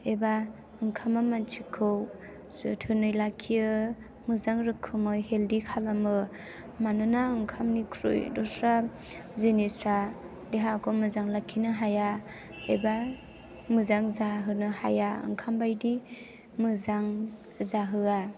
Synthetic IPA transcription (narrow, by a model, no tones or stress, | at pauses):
eba | ɯŋkʰamamant͡ʃʰikʰɯw | ɯtʰɯnɯjlakʰːijɯ | mɯzaŋɾɯkʰːɯmɯheldikʰalamɯ | manɯnaɯŋkʰamnikʰɾɯ̰jdɔsʰɾa | zenisa | deɦakʰɔmɯzaŋlakʰinɯɦaja | eba | mɯzaŋzaɦɯnɯha̰jaɯ̰ŋkʰambajdi | mɯzaŋ | zaɦɯa